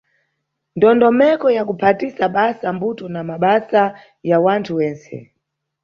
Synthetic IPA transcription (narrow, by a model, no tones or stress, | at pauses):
ndɔndɔmɛkɔjakupʰatisaɓasambutɔnamaɓasa | jawantʰuwɛːnsɛ̰